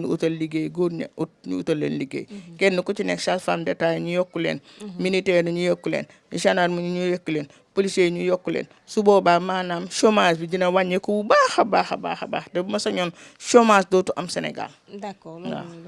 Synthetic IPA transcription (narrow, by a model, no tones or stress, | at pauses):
nuṵtalliɡeːjɡodɲ̰uɲṵṵtalːḛːnliɡḛːjkenːukut͡ʃinekʃasfaːndetaːjɲujokːulḛːn | minitɛːnuɲujokːulḛːn | ɲuʃanaːɾmuɲuɲujokːuleːn | polisejɲujokːulḛːn | subobaːmanaːmʃomaːsbiɟinawaɲekububahabaːxaba̰ːxaba̰ːhdebumɐsaɲoːnʃomasdoːtuʔamsenḛɡa̰l | na̰